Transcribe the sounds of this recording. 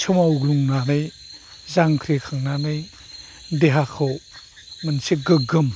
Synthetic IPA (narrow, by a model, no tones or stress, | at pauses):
t͡ʃʰɔmawɡluŋnanɐj | zaŋkʰɾikʰaŋnanɐj | deɦakʰow | mənsʰiɡəɡəm